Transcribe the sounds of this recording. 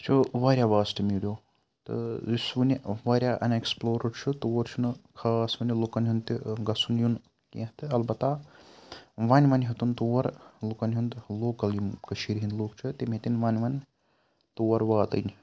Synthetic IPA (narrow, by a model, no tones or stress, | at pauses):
t͡ʃʰuʋaːɾʲjaːʋaːsʈɨmiɽʲjoː | t̪ɨ̰zisʋunʲiʋaːɾʲjaːʔɐ̰neksploːɾɐɽt͡ʃʰut̪uʋɐɾt͡ʃʰunkʰaːsʋɐnʲilukɐnʲɦund̪t̪iɡɐsunjun | kḭɦt̪ɨɐlbɐt̪aː | ʋanʲʋɐnʲɦɐt̪unt̪uʋɐɾlukɐnʲɦund̪loːkɐljumkɐʃʰiɾɦind̪loːkt͡ʃʰut̪imʲet̪inʋanʲʋɐnʲ | t̪uʋɐɾʋaːt̪ɐ̰nʲ